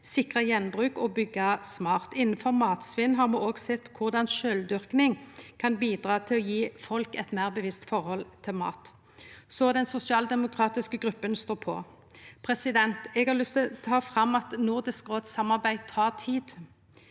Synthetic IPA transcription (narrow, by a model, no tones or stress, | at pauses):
sɪkʁɑjɛnːbʁʉːkɔbʏɡːɑsmɑːʁt̪ɪnn̩fɔʁmɑːt̪sʋɪnɦɑʁmuːoːɡsɛt̪ːkʰʊʁd̪ɑnʃøːld̪ʏʁknɪŋkʰɑnbiːd̪ʁɑːt̪ʰɪlɔjiːfɔlkɛt̪mæːʁbəʋɪst̪fɔʁhɔlt̪ʰɪlmɑ̰ːt̪ | sɔd̪ɛnsʊsɪɑːld̪ɛmʊkʰʁɑːt̪ɪskəɡʁʉpːənst̪oːpʰɔ̰ | pʰʁɛsɪd̪ɛnt̪ɛɡhɑʁlʏst̪t̪ʰɑːfʁɑmːɑt̪nʊʁd̪ɪskʁoːd̪sɑmːɑʁbæɪt̪ʰɑːʁt̪ʰiːd̪